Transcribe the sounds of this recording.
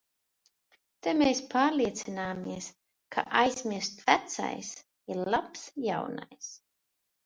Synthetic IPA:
t̪ameːspaːɾliɛt̪sinaːmiɛs | kʰa̰ʔajz̥miɾst̪væt̪sa̰js | iɾlˠapsja̰wna̰js

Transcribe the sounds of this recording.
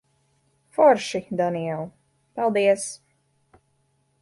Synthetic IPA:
fɔɾʃid̪aniɛl | palˠd̪iɛs

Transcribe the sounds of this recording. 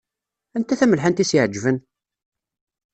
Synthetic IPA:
ænt̪æθæməlħant̪isjiʕd͡ʒːvən

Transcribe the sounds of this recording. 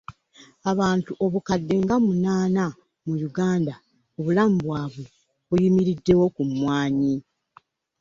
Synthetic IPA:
aβaːntuʔo̞βukadːe̞ŋɡamunaːna | mujuɡaːnda | oβulamubwaːβwe | βujimiɾidːe̞wo̞kumwaːɲi

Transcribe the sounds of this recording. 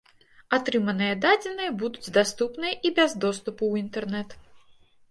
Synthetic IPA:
at̪ɾɨmɐnɨjɐd̪ad͡zʲɛnɨjɐbud̪ud͡zʲd̪ast̪upnɨjɐʔibʲɛzd̪ɔst̪upuwint̪ɛrnɛt̪

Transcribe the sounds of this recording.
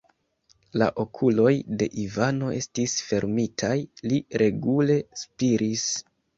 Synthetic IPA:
la̰ʔo̞kʰulo̞jde̞ʔivano̞ʔe̞̰stisfe̞ɾmitʰajliɾʔe̞ɡule̞spiɾis

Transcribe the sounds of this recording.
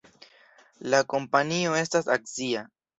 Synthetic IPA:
lako̞mpanio̞e̞stasakzia

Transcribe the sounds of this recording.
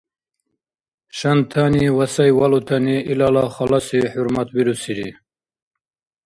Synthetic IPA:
ɕant̪ʰaniwasajwalut̪ʰaniilalaχalasiħuɾmat̪wiɾusiɾḭ

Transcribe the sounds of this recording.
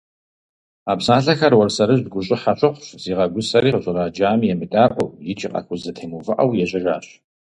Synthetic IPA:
aːpsaːɬɐxɐrwɔrsɐɾɨʑd̚ɡʷʊɕʼɪħaɕʼɐχʷʊfz̥iːʁɐɡʷʊsɐɾiːqəɕʼɨraːd͡ʒaːmjɛmɨtʼaːʔʷʼɔwjɪt͡ʃʼiqʼɐ̰xʊzɐtʰejmuvɨʔɐwjɛɕʼɐʒaːɕ

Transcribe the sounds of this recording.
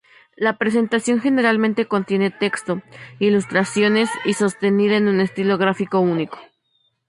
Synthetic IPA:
lapɾe̞s̬e̞nt̪asjoŋxe̞ne̞ɾalmẽnt̪e̞ko̞nt̪je̞ne̞t̪e̞kst̪o̞ilust̪ɾasjo̞ne̞siso̞st̪e̞niðaenũne̞st̪ilo̞ɣ̞ɾafiko̞uniko̞̥

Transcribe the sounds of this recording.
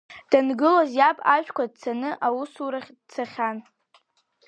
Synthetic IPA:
d̥anɡɨlozjapʼaʃᶣkʷad̚t͡sʰanɨʔawusuɾaχʲdt͡sʰaχʲan

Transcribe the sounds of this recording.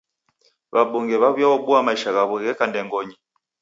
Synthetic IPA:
βaɓɔŋɡɛβaβwjaɔbuamaiʃaɣaβuɣɛkandɛŋɡɔɲi

